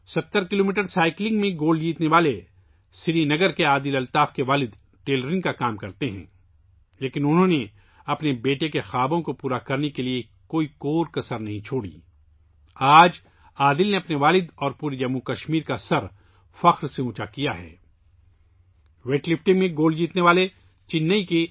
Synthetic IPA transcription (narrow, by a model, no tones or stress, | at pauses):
sɐt̪ːəɾkɪloːmiːʈəɾsaːɪklɪ̃ŋɡmẽɡoːlɖd͡ʒiːt̪neʋaːle | sɪɾinɐɡəɾkeaːd̪ɪlɐlt̪aːfkeʋaːlɪd̪ | ʈeːlɾɪ̃ŋɡkakaːmkɐɾt̪eɦɛ̰̃ː | leːkɪnʊnɦõne | ɐpnebeːʈekexaːbõkopuːɾakɐɾnekelie | koːikoːɾkɐsəɾnɐɦĩt͡ʃʰoːɽḭː | aːd͡ʒ | aːd̪ɪlneɐpneʋaːlɪd̪ɔːɾpuːɾed͡ʒɐmːukɐʃmiːɾkasɐɾ | fɐxɾseũːt͡ʃakijaɦɛ̰ː | ʋeːʈlɪfʈɪ̃ŋɡmẽɡoːld͡ʒiːt̪neʋaːle | t͡ʃɪnːəike